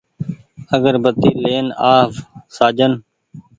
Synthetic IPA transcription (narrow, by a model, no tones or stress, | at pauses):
əɡəɾbət̪iːleːnaːfsaːd͡ʒən